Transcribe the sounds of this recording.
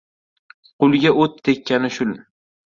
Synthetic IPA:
qʰʊlˠɡʲaot̪̚ːʰekʲːanɪʃʊl

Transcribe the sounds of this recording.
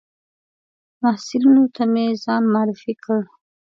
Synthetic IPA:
mahsɪlinot̪ʰamezɑnmaɾɪfikʰəɽ

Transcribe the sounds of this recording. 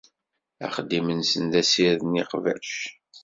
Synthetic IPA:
æ̰χəd̪imənsənd̪æsiɾðniqvæ̰ʃ

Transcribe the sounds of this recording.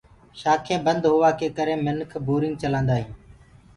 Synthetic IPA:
ʃaːkʰẽːbənd̪ɦʊʋaːkʰeːkəɾẽːmənkʰboːɾɪ̃ŋɡ̚t͡ʃəlãːnd̪aːɦĩː

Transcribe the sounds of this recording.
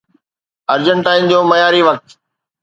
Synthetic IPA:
ɐɾd͡ʑəɳʈaːĩnd͡ʑõːmɐjaːɾiʋɐk̚t̪

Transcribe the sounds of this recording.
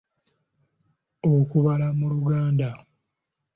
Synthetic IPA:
okuβalamuluɡaːnda

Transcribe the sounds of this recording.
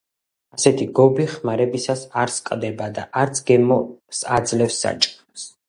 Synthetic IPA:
asɛt̪ʰiɡɔbiχmaɾɛbisasaɾskʼd̪ɛbad̪aʔaɾt̪sʰɡɛmɔsad̪zlɛfsːa̰t͡ʃʼɛs

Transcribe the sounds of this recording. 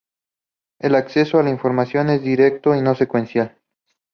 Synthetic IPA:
elakse̞soalaiɱfo̞ɾmasjo̞ne̞zðd̪iɾe̞k̚t̪o̞ino̞sekwe̞nsjal

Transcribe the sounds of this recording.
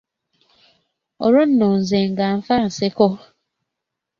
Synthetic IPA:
oɾon̩non̩zeŋ̩ɡam̩fan̩seko

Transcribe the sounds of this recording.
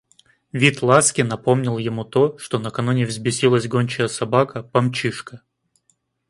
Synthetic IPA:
vʲit̪lˠaskʲɪnɐpo̞mnʲɪlˠjɪmut̪o̞ʂt̪o̞nəkɐnunʲɪvzʲbʲɪsʲilˠəsʲɡonʲt͡ɕəjəsɐbakəpɐmt͡ɕiʂkə

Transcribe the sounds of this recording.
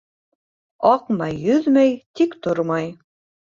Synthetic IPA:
ɑqmɑjːɵðmæjt̪ikt̪oɾmɑj

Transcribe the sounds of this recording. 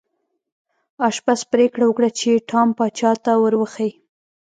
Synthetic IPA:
ɑʃbaspɾekɽawəkɽat͡ʃeʈʰɑmpɑt͡ʃɑt̪awəɾwəxaj

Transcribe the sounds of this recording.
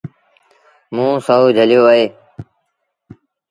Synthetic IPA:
mũːsəɦuːd͡ʒʱəljoːɦeː

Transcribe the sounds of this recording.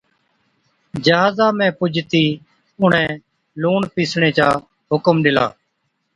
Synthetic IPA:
d͡ʒəɦaːzãːmɛ̃ːpʊd͡ʒʱt̪iː | ʊɳ̤ẽː | luːɳpiːsɳeːt͡ʃaː | ɦʊkmɗɪla̰ː

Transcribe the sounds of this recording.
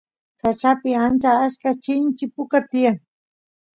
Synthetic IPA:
sat͡ʃapɪant͡ʃaaʃkat͡ʃɪnt͡ʃɪpʊkat̪ɪjaŋ

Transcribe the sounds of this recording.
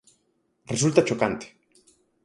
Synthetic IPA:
result̪at͡ʃo̞kant̪e̥

